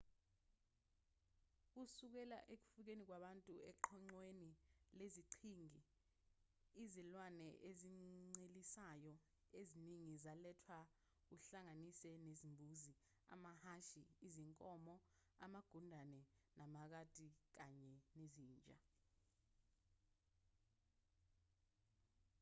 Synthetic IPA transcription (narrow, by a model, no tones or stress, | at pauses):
k̬usuk̬ɛla̰ʔek̬u̥fuk̬enik̬waɓantʼuɛǃʰɔŋ͡ǀwenileziǃʰiŋi | izilwanɛʔeziŋ͡ǀelisajɔ | eziniŋizalɛtʰwa | k̬uɬaŋanisɛnezimbʱuːzi | a̰mahaʃiːziŋkʼɔːmɔamaɡ̥ʱundʱanɛnʔamak̬ad̥ʱʼik̬aɲɛneziːnt͡ʃʼa